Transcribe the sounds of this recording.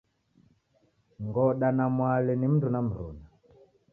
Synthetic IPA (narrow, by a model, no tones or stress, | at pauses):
ŋɡɔɗanamwalɛnim̩tunam̩ɾṵna